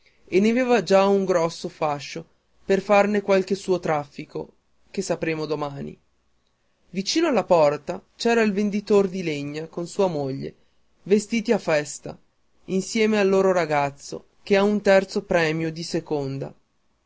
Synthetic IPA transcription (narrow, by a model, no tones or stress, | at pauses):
enːeaveːvad͡ʒauŋɡɾɔsːofaʃːo | perfarnekwalk̟esuːot̪ɾafːiko̰ | kesːapɾeːmod̪omaːnḭ | vit͡ʃiːnoalːapɔrt̪at͡ʃɛːɾailvend̪it̪ord̪ileɲːakonsuːamoʎːḛ | vest̪iːt̪iafɛst̪a̰ | insjɛːmealːoːɾoɾaɡat̪sːo̰ | k̟eaunt̪ɛrt̪sopɾɛːmjod̪isekond̪a̰